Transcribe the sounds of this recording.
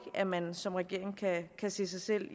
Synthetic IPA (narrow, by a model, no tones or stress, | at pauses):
ɡ̥æmænsɒ̽mʁɛɡ̥e̝ɐ̰e̝ŋkʰækʰæse̝̰ːsɑ̈ɪsel̰